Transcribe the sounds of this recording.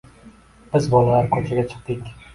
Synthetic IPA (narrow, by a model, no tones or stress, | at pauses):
b̥ɪzbɒlˠalaɾkʲʰɵt͡ʃʰaɡʲat͡ʃʰɨ̥q̚t̪ɪkʲ